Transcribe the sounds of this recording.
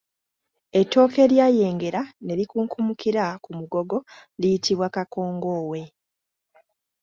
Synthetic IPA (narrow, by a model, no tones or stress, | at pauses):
etːo̞ːke̞ljaːje̞ːŋɡe̞ɾane̞ɾikuːŋkʰumukiɾakumuɡo̞ɡo̞lijitiβwakako̞ːŋɡo̞ːwe̞